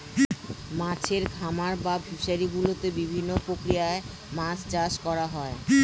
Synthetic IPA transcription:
mat͡ɕʰeɾɡʱamaɾbabʱuʃaɾiɡulot̪ebibʱinːopɾokɾiae | mãst͡ɕaʃkɔɾaɦɔe

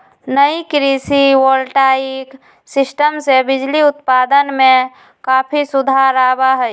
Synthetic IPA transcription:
nəikɾisiwolʈaik | sɪsʈəmsebɪd͡ʒliʊt̪paːd̪ənmẽ | kaːpʰisʊd̪ʱaɾabaɦɛ

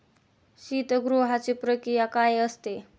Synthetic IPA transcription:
ɕit̪əɡɾoɦat͡sepɾəkɾijakajəst̪e

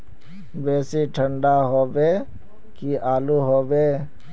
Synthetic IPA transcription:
ʋɛːseʈʰə̃ɳɖaɦoːbeː | kiaːluɦoːʋeː

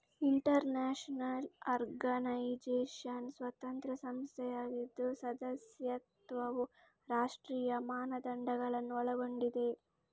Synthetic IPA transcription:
iɳʈɐɾneːʂnɐlɐɾɡɐnɐjd͡ʒeːʃansʋɐt̪ɐnt̪ɾɐsɐmst̪ʰɛjaːɡid̪ːusɐd̪ɐsjɐt̪ʋɐʋu | ɾaːʂʈɾiːjɐmaːnɐd̪ɐɳɖɐɡɐɭɐnːuɔɭɐɡo̞ɳɖid̪e̞

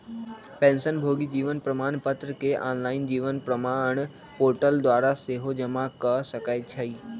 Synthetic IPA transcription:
pɛ̃ːnsənbʱoːɡid͡ʒiːʋənpɾəmaːɳ̃pət̪ɾəkeʔaːnlaːɪnd͡ʒiːʋənpɾəmaːɳ̃ | poːɾʈəld̪ʋaːɾaseɦod͡ʒəmakəsəkaːjt͡ʃʰəiː

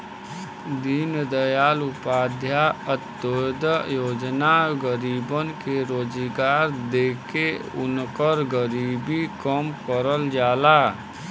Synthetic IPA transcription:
d̪iːnd̪əjaːlʊpaːd̪ʱjaət̪ːod̪əjoːd͡ʒnaɡəɾiːbənkeɾoːd͡ʒiɡaːɾd̪eːkeʊnkəɾɡəɾiːbikəmkəɾəld͡ʒaːlaː

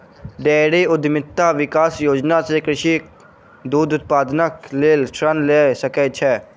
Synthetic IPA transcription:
ɖɛːɽeʊd̪mɪt̪ːaʋɪkaːsjoːd͡ʒnasekɾɪʃi | d̪uːd̪ʊt̪̚paːd̪nəkleːlsɾənlesəket͡ʃʰɛː

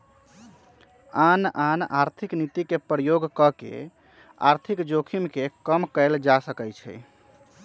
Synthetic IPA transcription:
ananaɾt̪ʰiknit̪ikepɾəjoɡkəkḛ | a̰ɾt̪ʰikd͡ʒokʰimkekəmkəɪld͡ʒasəkɛt͡ʃʰɛ̰

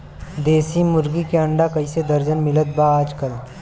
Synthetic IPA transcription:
d̪eːsimʊɾɡikeɐ̃ɳɖakɐised̪ɐɾd͡ʒənmɪlət̪̚baaːd͡ʒkəl

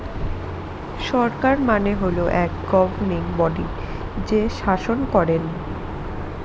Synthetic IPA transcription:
ʃɔɾkaɾmaneɦoloʔɛkɡɔbʱɾniŋbɔɖi | d͡ʑeʃaʃonkɔɾen

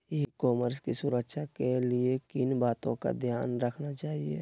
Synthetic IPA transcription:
ekɔːməɾskisʊɾəkʃakeliekɪnbaːt̪õka̰d̪ʱjaːnɾəkʰnat͡ʃaːɦiḛ

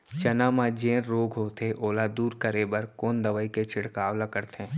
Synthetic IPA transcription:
t͡ʃɐnãːmãd͡ʒẽːɾɾoːɡʱɦoːt̪ʰeʔoːlad̪uːɾkəɾebəɾkoːnd̪əʋəiket͡ʃʰɪɽkaːʋlakəɾt̪ẽː

